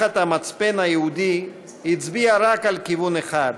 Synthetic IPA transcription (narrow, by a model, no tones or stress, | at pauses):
at̪amat͡spenajeud̪i | hit͡sbiaɾakalkivuneχad̪